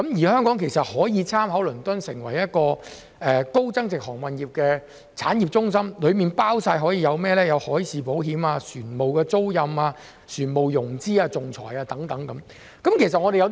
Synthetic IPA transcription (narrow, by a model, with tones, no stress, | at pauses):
kɐ˨˥mjiː˨˩hœː˥ŋkɔː˨˥ŋkʰe˨˩jsɐ˨t̚hɔː˨˥jiː˨˧t͡sʰaː˥mhɐ˨˥wlɵ˨˩nt̪ɵ˥nsɪ˨˩ŋwɐ˨˩jjɐ˥t̚kɔː˧ | ɛː˨ko˥wt͡sɐ˥ŋt͡sɪ˨k̚hɔː˨˩ŋwɐ˨njiː˨p̚kɛː˧ | t͡sʰaː˨˥nji˨˩p̚t͡sʊ˥ŋsɐ˥mlɵ˨˧ɥmiː˨npaː˥wsaː˧jɦɔː˨˥jiː˧jɐ˨˧wmɛː˥lɛː˥jɐ˨˧whɔː˨˥jsiː˨po˨˥wɦiː˨˥maː˧syː˨˩nmo˨˩wkɛː˧t͡so˥wjɐ˨˧maː˧ | syː˨˩nmo˨wjʊ˨˩ŋt͡siː˥aː˧t͡sʊ˨ŋt͡sʰɔ̰ː˨˩jaː˧t̪ɐ˨˥ŋt̪ɐ˨˥ŋkɐ˨˦˥m | kɐ˨˥mkʰe˨˩js̬ɐ˨t̚ŋɔː˨˧e˨jɐ˧